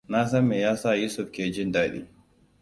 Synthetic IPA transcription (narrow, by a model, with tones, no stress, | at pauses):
na˦s̬ɐ˦mːeː˨jaː˦sa˦˨juː˦sʊ˦ɸkʲeː˨d͡ʒɪ˦ndaː˦ɗḭː˦